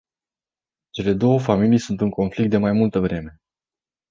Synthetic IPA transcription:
t͡ʃe̞le̞d̪o̞wəfamilijsunt̪ɨŋko̞nflik̚t̪̚d̪emajmult̪əvɾe̞me̞

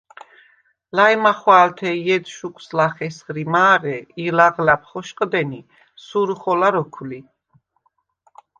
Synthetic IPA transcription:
lajmaχwaːlt̪ʰɛjɛd̪ʃukʰʼslaχɛsχɾimaːʁɛilaʁlap̚ʰχɔʃqʼd̪ɛni | suɾuχɔlaɾɔkʰuli

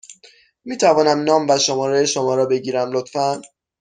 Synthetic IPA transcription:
miːt̪ʰævɒːnæmnɒːmvæʃomɒːɾejeʃomɒːɾɒːbe̞ɟiːɾæmlot̪fæn

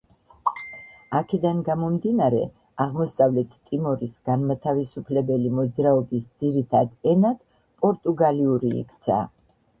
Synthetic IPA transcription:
akʰɛd̪anɡamɔmd̪inaɾɛ̰ | aʁmɔsavlɛt̪ʰt̪ʼimɔɾisɡ̥anmat̪ʰavisupʰlɛbɛlimɔd̪zɾaɔbisd̪ziɾit̪ʰad̪ɛnad̪̥ | pʼɔɾt̪ʼuɡaliuɾḭːkt̪sʰa̰

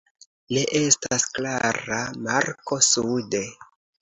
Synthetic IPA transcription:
liʔe̞stasklaɾamaɾko̞sude̞

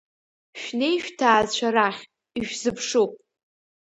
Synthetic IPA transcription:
ʃᶣnejʃᶣtʰaːzt͡ʃʷʰaɾaχʲ | iʃᶣzɨpʰʂupʼ

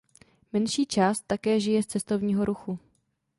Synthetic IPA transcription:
mɛnʃiːt͡ʃaːst̪ːakɛːʒɪjɛst͡sɛst̪o̞vɲiːɦo̞ɾuxu

